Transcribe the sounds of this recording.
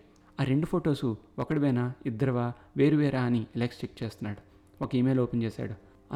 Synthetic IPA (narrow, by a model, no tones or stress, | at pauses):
aːɾe̞ɳɖupʰoːʈo̞ːsuɔkɐɽiʋɐjnaid̪ːɐɾɐʋaː | ʋe̞ːɾuʋeːɾaːnieleːkst͡ʃik̚ːt͡ʃeːst̪unːaːɽu | okɐiːmeːloːpent͡ʃeːsa̰ːɽu | ɐ